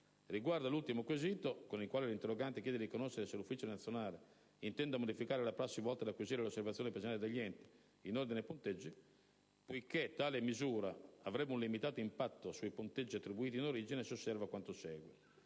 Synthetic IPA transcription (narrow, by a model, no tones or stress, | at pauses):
ɾiɡwaɾd̪alult̪imokwezit̪okonikwaːlilint̪erːɔɡant̪ek̟jɛːd̪edikonoʃːeɾesɛlufːit͡ʃonat̪sːjonaːle | int̪ɛnd̪amod̪ifikaːɾelapɾasːivɔlt̪ad̪akːwiziːɾelosːeɾvat̪ːjɔːnɛpzinald̪eʎːɛnt̪i̥ | inoɾd̪inepont̪ed͡ʒːi | pojket̪ːaːlemizuːɾaavɾɛbːunlimit̪aːt̪oimpat̪ːosuipont̪ed͡ʒːiat̪ːɾibuiːt̪inoɾiːd͡ʒinesosːɛɾvakwant̪osɛːɡwɛ